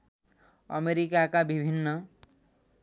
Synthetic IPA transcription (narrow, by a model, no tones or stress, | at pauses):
ʌ̰meɾikakabibʱinːə